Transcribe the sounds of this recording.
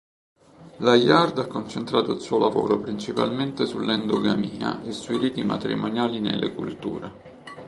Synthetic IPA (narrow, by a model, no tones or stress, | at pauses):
lajard̪akːont͡ʃent̪ɾaːt̪oilsuːolavoːɾopɾint͡ʃipa̰lment̪esulːɛnd̪oɡamiːa̰ʔesːujriːt̪ima̰t̪ɾḭmonjaːlinḛlːekṵlt̪ṵːɾe